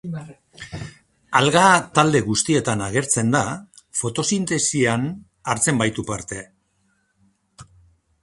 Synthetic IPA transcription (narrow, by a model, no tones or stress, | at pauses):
alɣat̪ald̪e̞ɣust̪ie̞t̪anaɣ̞e̞ɾt͡se̞nd̪a | fo̞t̪o̞sint̪e̞sian | aɾt͡se̞mbajt̪upaɾt̪e̞